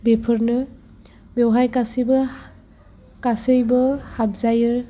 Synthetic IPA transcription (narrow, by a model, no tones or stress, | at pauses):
bepʰɯɾnɯ | bewɦajkasibɯ | kasejbɯhab̚zajɯɾ